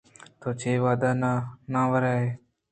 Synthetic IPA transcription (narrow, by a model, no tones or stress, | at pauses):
t̪oːt͡ʃʰeːʋaːd̪aːnanãːʋəɾaːɦeː